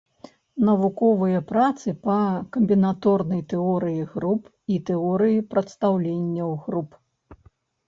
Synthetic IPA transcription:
nɐvukɔvɨjɐpɾat̪sɨpɐkɐmʲbʲinat̪ɔrnɐjt̪ɛɔɾɨjiɣɾup | it̪ɛɔɾɨjipɾɐt̪st̪awlʲenʲːɐwɣɾup

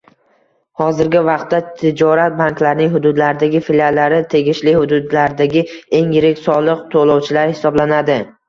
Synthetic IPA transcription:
hɒzɪɾɡʲɪvɑq̚t̪ːat̪ʰɪd͡ʒɒɾat̪̚bankʲlaɾnɪŋɦʊd̪ʊd̪laɾɪd̪aɡʲɪfilʲalːaɾɪt̪ʰe̞ɡʲɪʃlɪhʊd̪ʊd̪laɾd̪aɡʲɪe̞ŋjɪɾɪkʲsɒlˠɨq̚t̪ʰolˠɒwt͡ʃʰɪlaɾhɪsɒblanad̪ɪ

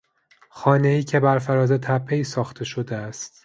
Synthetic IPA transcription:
xɒːne̞iːcʲʰe̞bæɾfæɾɒːzet̪ʰæpʰːe̞isɒːxt̪ʰe̞ʃod̪eæst̪

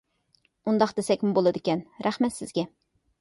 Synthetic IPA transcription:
und̪ɑqd̪̥esɛkʲmubolˠɨd̪ɪkʲɛnɾæχmɛt̪sɪzɡʲɛ

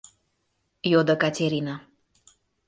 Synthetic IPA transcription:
jod̪əkat͡sʲeɾina

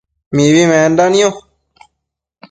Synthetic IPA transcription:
miβimẽːnd̪anĩjõ

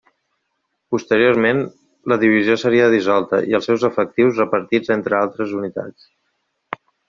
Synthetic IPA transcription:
pust̪əɾioɾmen | ləðiβ̞iziosəɾiəðizɔlˠt̪əiəlˠsɛwzəfək̚t̪iwzrəpəɾt̪id͡zent̪ɾəalˠt̪ɾəzunit̪a̰t͡s

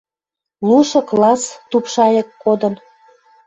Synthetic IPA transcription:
luʃɤ̆klɑst̪upʃɑjɤkːod̪ən

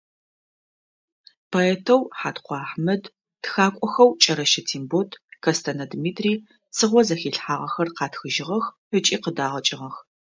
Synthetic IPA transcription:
pʰoɛːtʰɐwħaːtqʷɑːħmɐd | txaːkʷʼɔxɐwt͡ʃʼɐɾɐʃɐtʰiːmbotʰkʰɐstʰɐnɐdmiːtʰʼriː | sɨʁʷɔzɐxiːɬħaːʁɐxɐrqɑːtxɨʒɪʁɐx | ət͡ʃʼiːqədaːʁɐt͡ʃʼɪʁɐx

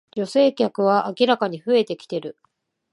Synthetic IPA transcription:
d͡ʑo̞se̞ːkʲakɯ̟β̞aʔakʲiɾakaɲ̟iɸɯ̟e̞t̪e̞kʲi̥t̪e̞ɾɯ̟

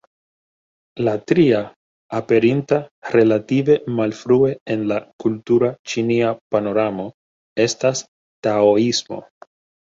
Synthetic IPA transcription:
latɾiaː | pe̞ɾintaɾe̞lative̞malfɾue̞enlakultuɾat͡ʃiniapano̞ɾamo̞ | e̞stas | taoismo̞̰

